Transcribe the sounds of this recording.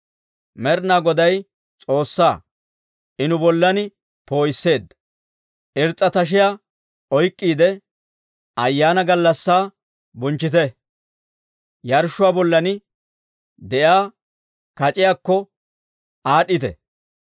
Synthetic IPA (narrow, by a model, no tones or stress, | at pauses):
mɛɾnaːɡɔd̪ɐj | t͡sʼo̞ːsːaː | ʔɪnʊbɔlːɐnɪ | po̞ːjsːe̞ːd̪ | ʔɪɾt͡sʼːɐt̪ɐʃ̬ɪja | ɔjkʼːiːd̪ɛ | ɐjːaːnɐɡɐlːɐsːaː | bʊnt͡ʃːɪt̪ɛ | jɐɾʃʊwaːbɔlːɐnɪ | d̪ɛʔjaː | kɐt͡ʃʼɪjaːkːɔ | aːɗːɪt̪ɛ̰